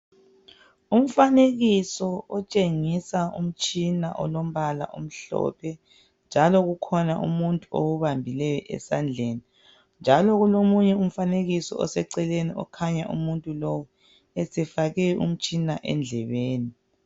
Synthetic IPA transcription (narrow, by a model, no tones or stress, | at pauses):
um̩faneɣisɔɔt͡ʃʼeŋisaṵm̩t͡ʃʼina̰ʔɔ̰lom̩βala̰ʔom̩ɬɔ̰pʰɛ | nd͡ʒʱalɔɣukʰɔnaʔṵmuntʼuowuβambʱilɛjɔʔɛ̰sand͡ɮʱeːni | nd͡ʒʱalɔɣulomuɲɛum̩faneɣisɔ̰ɔ̰sɛǀɛleniɔ̰kʰaɲaʔṵmuntʼulɔwɔ | ɛsɛfaɣɛṵm̩t͡ʃʼinaʔɛ̰nd͡ɮʱɛβeːni